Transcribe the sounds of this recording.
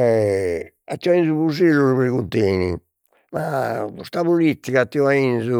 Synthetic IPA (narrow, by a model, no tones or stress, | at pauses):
ɛ | at̪ːiainzuβuzeluɾuβɾiɣunt̪eːnḭ | mapust̪aβulit̪ːikat̪ːiɔainsu